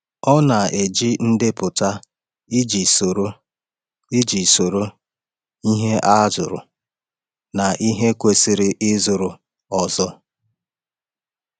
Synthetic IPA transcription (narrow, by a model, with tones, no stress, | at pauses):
ɔ˦na˨e˨d͡ʒi˦n̩˦dɪ˦pʊ˨ta˦ | i˦d͡ʒi˨so˨ɾo˦ | i˦d͡ʒi˨so˨ɾo˦ | i˦ɦe˦ʔa˦zʊ˨ɾʊ̰˨ | na˨ʔi˦ɦe˦kʷe˨sɪ˦ɾɪ˦ʔɪ˦zʊ˨ɾʊ˨ | ɔ˨zɔ˦